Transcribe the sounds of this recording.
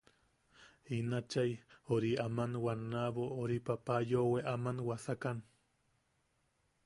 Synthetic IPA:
inat͡ʃajoɾiamanwanːaβooɾipapajoweʔamanwasakan

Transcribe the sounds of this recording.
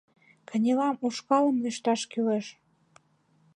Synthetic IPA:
kə̆nʲelɑmuʃkɑlə̆mliʃt̪ɑʃkyleʃ

